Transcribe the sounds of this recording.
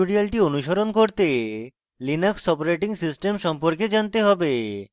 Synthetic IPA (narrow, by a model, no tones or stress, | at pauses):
uɽialʈionuʃoɾonkoɾt̪e | linaksɔpoɾeʈiŋsisʈemʃɔmpoɾked͡ʑant̪eɦɔbe